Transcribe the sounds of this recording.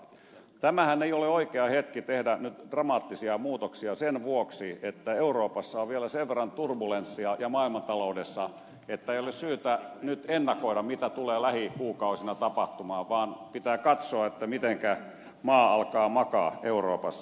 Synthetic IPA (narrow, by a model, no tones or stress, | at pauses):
t̪æmæhæneioleoikeɑhet̪kit̪ehdænyt̪d̥rɑmɑːt̪ːisiɑmuːt̪oksiɑsenʋuoksiet̪ːæeuroːpɑsːɑoʋʋielæseʋʋerːɑnt̪urbulensːiɑjɑmɑːilmɑnt̪ɑloudesːɑ | et̪ːæeijolessyːt̪ænyt̪enːɑkoiɾɑmmit̪æt̪uleːlæhikuːkɑusinɑt̪ɑpɑht̪umɑːʋɑːnpit̪æːkɑt̪soɑet̪ːæmit̪eŋkæ | mɑːɑlkɑːmɑkɑ̰ːʔeuro̰ːpɑsː